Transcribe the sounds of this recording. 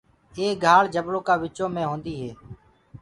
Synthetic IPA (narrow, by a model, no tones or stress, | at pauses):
eːɡʱaːɭd͡ʒəbɽoːkaːʋɪt͡ʃõːmẽːɦõːnd̪iːɦeː